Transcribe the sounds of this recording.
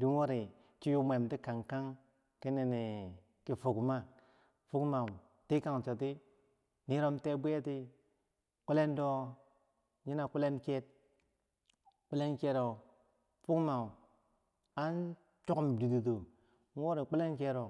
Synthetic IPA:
di˨n˦wo˦ɾi˨ | t͡ʃi˦ju˦mʷe˨mti˦ka˨ŋka˦ŋ | ke˦ne˨ne˨ | ki˨fu˨kma˦ | fu˦kma˨w | ti˦ka˨ŋ˨t͡ʃo˨t̬i˦ | ni˦ɾo˦mte˦bi˦je˦ti˦ | k͡pi˦le˦ndo˦ | ɲi˦na˨ku˦le˦nke˦t̚ | k͡pe˦le˦nke˦ɾo˨ | fu˦kma˨wu˨ | a˦n˦ | t͡ʃo˦ku˦mdi˨du˨do˨ | n˦wo˦ɾi˨k͡pi˦le˦nke˦ɾo˨

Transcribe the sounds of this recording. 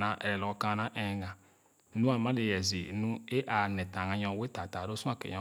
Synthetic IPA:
na˨ʔɛ̰˨ɾɛ˨lɔ˨˦ka˦na˦ʔɛ˨ɡa˨˦ | nũ˦a˨ma˦le˨jɛ˨zi˨˦nu˦e˦ʔa˨nɛ˨ta˨ŋã˨˦ɲɔ̃˦we˦ta˨ta˨ɾo˦su˦a˦˨kḛ˨jɔ̃˦

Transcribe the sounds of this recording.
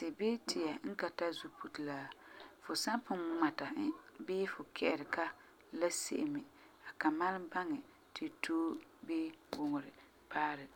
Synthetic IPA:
sɪ˨beː˦tʰi˨ja˨ŋ̩˦ka˨ta˦zu˦pu˦tlaː˦fʊ˨sa˦pʊ˦ma˨ta˨˦beː˦fʊ˨kʰɛ˦˨ʔɪ˨ɾɪ˨ka˦ | la˦sḛ˦ʔɪ˨mɪ˨ | a˨ka˨ma˦lba˦ŋɛ˨ | tʰɪ˨tʰoː˦be˦wʊ˨ŋʊ˨ɾɪ˨ | paː˦ɾɪ˨

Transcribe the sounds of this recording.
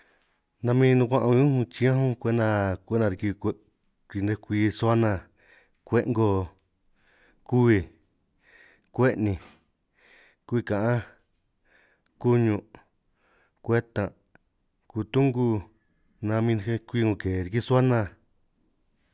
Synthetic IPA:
nã˧mĩː˦˧˦nũ˧kʷã˦ʔã˧ɲũ˦hũ˧t͡ʃĩ˧˦ã˦ɦũ˦kʷe˦nã˧kʷe˦nã˧ɾi˧ki˧ | ki˧ne˧kʷiː˧su˧˦a˦nã˧ | kʷe˦˧ʔŋɡo˧ | ku˦βi˧ | kʷe˦ʔnĩ˧˨ | ku˦˧i˧kã˨ʔã˦ | ku˦ɲũ˧ | kʷe˦t̪ã˨ | ku˧˨t̪u˦ŋɡu˧ | nã˧mĩ˧e˧kʷi˦˧ŋõ˧˨ke˨ɾi˧ki˦˧su˦a˦nã˧

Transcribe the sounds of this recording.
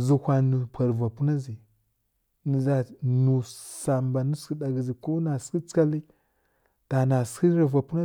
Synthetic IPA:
zu˨hʷa˨nu˨pʰʷa˨ɾva˨pu˦na˦zi˨ | ni˨za˨nu˨sa˨mba˨ni˦ski˦da˨ɡi˨zi˨ko˦na˨ski˦t͡ska˦li˦ | ta˨na˨ski˦ɾa˨va˨pu˦na˦

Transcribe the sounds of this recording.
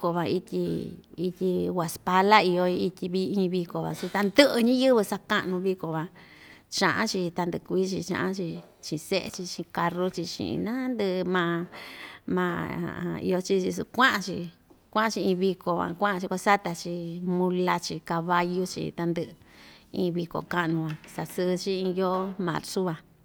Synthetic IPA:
ko˧βã˧i˧t̪ʲi˧i˧tʲi˧wʷa˨spa˧la˦i˧o˧i˧i˧tʲi˧βi˧ĩ˧βi˧ko˨βa̰˨su˧t̪a˧nd̪ɨ˦ʔɨ˧ɲĩ˦jɨ˦βɨ˧sa˧ka˦˧ʔnũ˧βi˧ko˨βa˧ | t͡ʃã˧ʔã̰˦t͡ʃi˧t̪a˧nd̪ɨ˧˨˧kʷi˦t͡ʃḭ˧t͡ʃã̰˧ʔã˦t͡ʃi˧ | t͡ʃĩ˧˨˧se˦ʔḛ˧t͡ʃi˧t͡ʃĩ˧ka˧ru˦t͡ʃi˧t͡ʃḭ̃˧˨˧nã˦nd̪ɨ˧mã˧ | mã̰˧˨˧ḭ˧o˧t͡ʃi˦t͡ʃi˧sṵ˧kʷã˦ʔã˧t͡ʃḭ˧ | kʷã˦ʔã˧t͡ʃi˧ĩ˧βi˧ko˨βã̰˨˧kʷã˦ʔã˧t͡ʃi˧kʷa˧sa˦t̪a˧t͡ʃi˧mũ˧la˧t͡ʃi˧ka˧βa˧ju˦t͡ʃḭ˧t̪a˧nd̪ɨ˧ʔĩː˧βi˧ko̰˨ka˦ʔnũ˧βã˧sa˧sɨ˧t͡ʃi˦ĩ˧jo˦mã̰˨ɾsu˦βa˧

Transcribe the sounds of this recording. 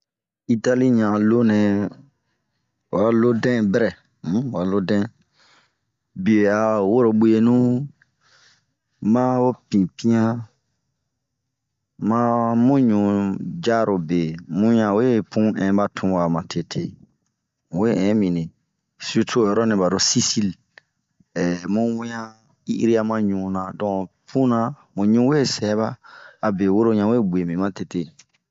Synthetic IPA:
i˦ta˦li˦ɲã˨lo˦nɛ̃˨˧˨ | wa˨˦lo˦dɛ̃˦bɛ˦ɾɛ̃˨˦˨ | wa˨˦lo˦dɛ̃˦ | bi˨e˨a˨wo˦ɾo˨bu˦e˦nũ˦ | mã˦wo˦pĩ˨pĩ˦ã˦ | mã˦mũ˦ɲũ˨d͡ʒa˦ɾo˨be˨mũ˦ɲã˨we˦pʰũ˦ɛ̃˨˦ba˦tʰũ˦wa˨mã˨tʰe˦tʰe˦˨ | we˦˨ɛ̃˨˦mĩ˨nẽ˨ | si˦u˦tʰo˦˨jɔ˨ɾɔ˦nĩ˧ba˨ɾo˨si˦si˦l | ɛ˨mũ˦wĩ˦ã˦ | ḭ˦ʔɾi˦a˦mã˦ɲũ˨nã˨dɔ̃˨pʰũ˦nã˨ | mũ˨ɲũ˦we˦sɛ˨˦βaː˦˨be˨wo˦ɾo˦ɲã˨we˦˨bu˨e˨mĩ˨mã˦te˦te˦˨

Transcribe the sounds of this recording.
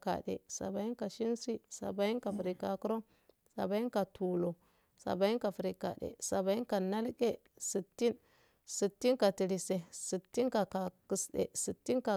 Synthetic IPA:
ka̰˨dḛ˨sa̰˨ba˨i˦nka˨ʃi˦nsi˦sa̰˨ba˨ji˦nka˨fi˨ɾi˨ka˨ku˦ɾo˦ | sa̰˨ba˨˦i˦ka˨tu˨lo˨ | sa̰˨ba˨ji˦nka˨fi˨ɾi˨ka̰˨dḛ˨sa˨ba˨ji˦nka˨na˦lke˦ | si˨tːi˦n | si˨tːi˦nka˨ti˨ɾi˨se˨si˨tːi˦nka˨ka˨ki˨sdḛ˨si˨tːi˦nka˨

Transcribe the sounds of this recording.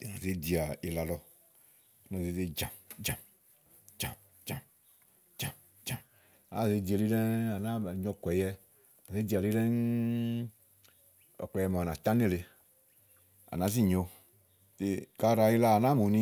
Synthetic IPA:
nã˨ze˦d̪i˨a˨e˨la˨lɔ˦ | a˨nã˨ze˨˦ze˦d͡ʒã˨md͡ʒã˨m | d͡ʒa˨m | d͡ʒa˨m | d͡ʒa˨m | d͡ʒa˨m˨ | nã˦ze˨˦d̪i˨a˨li˦lɛ˦a˨nã˦˨ɲɔ̃˧kɛ˨jɛ˦˨ | a˨ze˦d̪i˨a˨li˦lɛ˦n | ɔ̰˨k͡plɔ˨jɛ˨m˨nã˨t̪ã˦nẽ˦˨le˨ | a̰˨nã˦zi˦˨ɲɔ˨˧ | t̪e˨ka˦ɾa˨e˦la˦a˨nã˦mo˨˦nĩ˦

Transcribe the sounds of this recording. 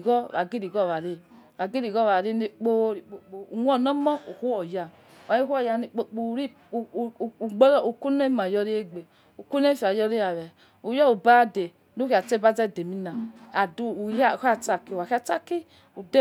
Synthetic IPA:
ɡɔ˦wa˨ɡi˦ɾi˨ɡɔ˦˨wa˨ɾe˦˨ | wa˨ɡi˦ɾi˨ɡɔ˦˨a˨ɾe˦ne˦k͡po˦ɾi˨k͡po˨k͡po˨u˨ŋʷ˦ɔ˦˨nɔ˦mɔ˦u˨hu˦ɔ˨ja˨ | wa˨i˦hu˦ɔ˦˨ja˧˨ni˨k͡po˦k͡po˨ɾi˦˨ | ɡ͡bɔ˦u˨ku˦ne˦ma˨jɔ˧ɾi˦e˦˨ɡ͡be˨ | u˨ku˦ne˦fa˨jɔ˧ɾi˦a˨βɛ˨ | u˨jɔ˦u˨ba˦de˨ | nu˦ki˨a˨t͡ʃe˦˨ba˦d͡zɛ˦˨de˨mi˦na˨a˨du˦˨˦a˦˨ha˦˨t͡ʃa˦ki˨wa˨ka˦t͡ʃa˦ki˦ | u˨de˦

